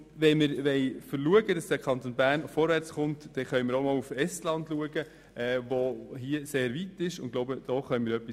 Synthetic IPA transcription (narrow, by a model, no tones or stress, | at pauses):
ʋɛmɪɾʋɛɪfəɾluəɡədɑsd̥ækʰɑnt̪onbæːɾnfɔɾʋæɾt͡sχʊntd̥ɛχœʏmɪɾomɔːlufɛstlɑndluəɡə | ʔɛvoɦiəseːɾʋitɪʃʊnɡloʊbəd̥ɔχœʏmiːɾœpːi